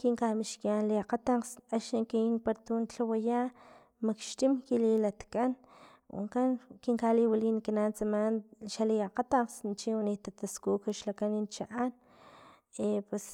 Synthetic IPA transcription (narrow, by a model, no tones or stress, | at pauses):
kiŋkahmiʃkjanliaqat̪aqsaʃiŋkinpaɾt̪unt͡ɬawajaː | makʃt̪imkililat̪kʼan | wʔa̰ŋkankiŋkaliwalinkinant͡samanʃaliaqat̪aqsnt͡ʃiwanit̪at̪askuːkaʃlakanint͡ʃaʔan | epwes